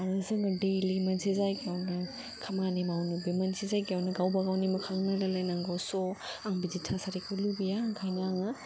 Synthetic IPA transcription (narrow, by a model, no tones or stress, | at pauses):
aɾɯzɯŋɐdejlimɐnsizajkeawnɐ | kʰɐmanimawnubimɐnsizajkjawnɐɡawbɐɡawnimɐkʰaŋnalalajnaŋɡawsɔaŋbiditʰasaɾikʰɯlubijaŋkʰajnaŋɐ